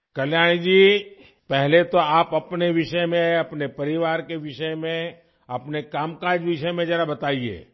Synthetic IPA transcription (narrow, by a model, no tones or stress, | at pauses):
kɐljaːñid͡ʒiː | pɛɦlet̪oaːpɐpneʋɪʃəmẽɐpnepɐɾɪʋaːɾkeʋɪʃəmẽ | ɐpnekaːmkaːɾd͡ʒʋɪʃəmẽd͡ʒɛːɾabɐt̪aːiḛː